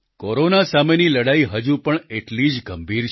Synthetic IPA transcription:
koɾonasameniləɽaiɦəd͡ʒũpəɳeʈlid͡ʒɡəmbʱiɾt͡ʃ

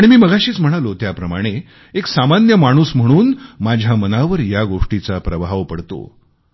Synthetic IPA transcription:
aɽ̃imiːməɡʱaɕiːt͡sm̤əɽ̃alot̪japɾəmaɽ̃e | eksamanjəmaɽ̃uːsm̤əɽ̃uːnmad͡ʑʱjamənaʋəɾjaɡoʂʈit͡sapɾəʋaʋpəɽt̪o̰

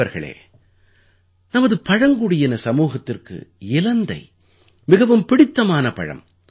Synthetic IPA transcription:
ɐɾɣɐ̰ɭḛː | nɐmɐðɯpɐɻɐŋɡuɽɪjɐnɐsɐmuːɣɐt̪ːɪrkɯ̰ɪlɐnd̪ɐɪ | mɪɣɐʋɯmpɪɽɪt̪ːɐmaːnɐpɐ̰ɻɐ̰m

